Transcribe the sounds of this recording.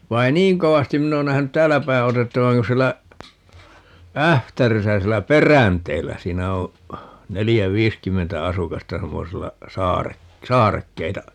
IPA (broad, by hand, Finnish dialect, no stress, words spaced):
ʋɑi e niːŋ koʋɑstin minː oːn næhænyt tæːlːæ pæi otetːɑʋɑŋ kun̞ sielːæ æhtærisæ sielːæ perænteːlːæ siːnæ õː nelijæ ʋiːskymːentæ ɑsukɑstɑ semːoselːɑ sɑːre sɑːrekːeitɑ